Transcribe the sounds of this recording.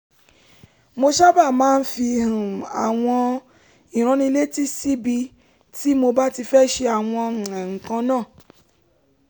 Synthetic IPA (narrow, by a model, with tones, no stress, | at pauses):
mo˧ʃa˦ba˦˨mãː˨˦n̩˦fi˧˨ɾũ˨a˨w̃ɔ̃˧ | i˨ɾ̃ã˨˧nĩ˧le˦ti˦si˦bi˧ | ti˦mo˧ba˦ti˧fɛ˦ʃe˧a˨w̃ɔ̃˧˨ɛ̃˨ŋ̩˨kã˧˦nãː˦˨